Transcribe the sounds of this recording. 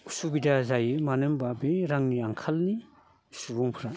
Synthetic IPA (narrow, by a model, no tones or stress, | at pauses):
usubidazajɯmanɯmbabeɾaŋniaŋkʰalni | subuŋpʰɾa